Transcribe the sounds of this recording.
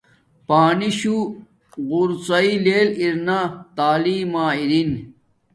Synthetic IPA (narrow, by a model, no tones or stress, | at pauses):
paːniɕu | ɣuɾsɐileːliɾnat̪aːliːmaːiɾin